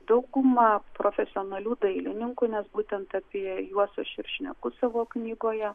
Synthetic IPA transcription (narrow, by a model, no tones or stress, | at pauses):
d̪ɐʊɡʊmɑpɾoːfʲɛsʲɪoːnɐlʲuːd̪ɐɪlʲɪnʲɪŋkuːnʲɛsbuːt̪ʲɛnt̪ɑpʲiɛjuɔsʲoʃɪɾʃʲnʲɛ̰kʊsɐʋoːknʲiːɡoːjɛ